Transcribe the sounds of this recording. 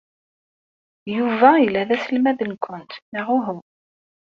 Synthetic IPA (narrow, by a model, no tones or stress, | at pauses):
juvæjilːæðæsəlmæðənkʷʰʊnt̪nəʁuɦʊm